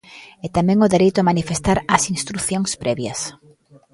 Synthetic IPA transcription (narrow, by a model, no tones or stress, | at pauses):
ɛt̪amɛ̃ŋʊðeɾejt̪ʊamanifest̪aɾɐsinst̪ɾuθjoŋspɾɛβjɐ̰s